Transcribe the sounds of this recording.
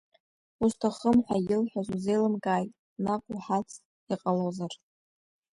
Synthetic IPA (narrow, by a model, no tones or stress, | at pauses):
ustʰaχəmħʷajɪlħʷᶣazuze̞jlɨmkʼaːjtʼ | nakʷʼuħat͡sʰ | iqʼalozar